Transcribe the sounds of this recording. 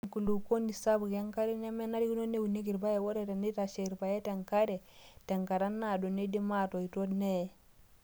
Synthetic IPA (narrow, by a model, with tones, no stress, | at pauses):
ŋku˨lu˨ko˦ndi˨sa˦bu˨kja˦ŋka˦ɾi˦ne˦me˦na˦di˦ɡu˦no˦ne˦wu˨ne˦ɡi˨ɾba˦je˨wo˦ɾe˨te˨ndi˦ta˨ʃe˨ɾba˨je˦te˨ŋka˦ɾe˨te˨ŋka˨ɾa˦nːa˨do˨ne˦di˦ma˦to˨i˨to˦dne˦˨